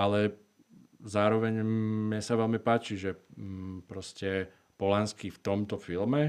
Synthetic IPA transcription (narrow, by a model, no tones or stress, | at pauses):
ʔalɛ | zaːɾɔʋɛɲmɲɛsaʋɛlmipaːt͡ʃiʒɛ | pɾɔscɛ | pɔlanskift̪ɔmt̪ɔfilmɛ